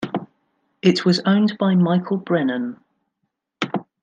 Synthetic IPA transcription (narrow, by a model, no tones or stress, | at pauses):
ɪʔwɒzə̃ʊ̃nbaɪmaɪkʰəlˠbɹɛnə̃n